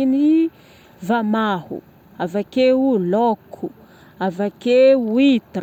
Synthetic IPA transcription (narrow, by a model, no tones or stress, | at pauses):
ni | vamahṵ | avakeulokʰu | avakewit̪